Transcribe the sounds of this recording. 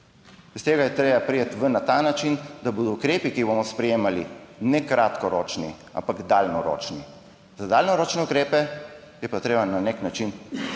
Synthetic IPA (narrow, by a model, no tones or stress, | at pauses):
ist̪eːɡajɛt̪ɾeːbapɾijet̪ʋənat̪aːnat͡ʃind̪abud̪ɔukɾeːpikibomɔspɾɛjeːmalḭnɛkɾat̪kɔɾoːt͡ʃnḭ | a̰mpaɡd̪alnɔɾo̰ːt͡ʃnḭ | zad̪aːlnɔɾoːt͡ʃnɛukɾeːpɛ | jɛpat̪ɾeːbananeknat͡ʃin